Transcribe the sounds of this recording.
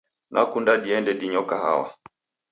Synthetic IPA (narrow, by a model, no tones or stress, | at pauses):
nʔakundaɗiɛndɛɗiɲɔkaha̰wa̰